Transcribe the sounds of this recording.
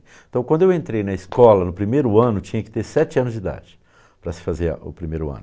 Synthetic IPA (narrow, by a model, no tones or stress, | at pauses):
t̪ɐ̃w̃kwɐ̃d̪ʊewẽnt̪ɾejnɐiskɔlɐnʊpɾimejɾʊɐ̃nʊt͡ʃĩɲɐkɪ̥t̪eɾsɛt͡ʃɪɐ̃nʊzd͡ʒɪd̪a̰d͡ʒɪ | pɾɐsɪ̥fazeɾ̰ʊ̰pɾimejɾʊɐ̰̃nʊ